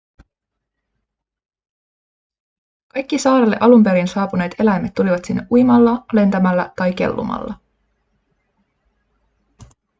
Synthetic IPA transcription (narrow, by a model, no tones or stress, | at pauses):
kɑjk̟ːisɑːɾelːe̞̰ʔɑlumpe̞ɾinsɑːpune̞ːt̪e̞læjmet̪ːuliʋɑt̪sinːeʔujmɑlːɑle̞nt̪æmælːæt̪ɑjk̟e̞̰lːṵmɑ̰lːɑ